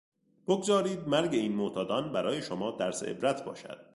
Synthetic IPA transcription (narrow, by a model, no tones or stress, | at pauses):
b̥oɡzɒːɾiːd̪̚mæɾɟe̞iːnmot̪ʰɒːd̪ɒːnbæɾɒːje̞ʃomɒːd̪æɾseʔḛbɾæt̪ʰbɒ̰ːʃæ̰d̪̥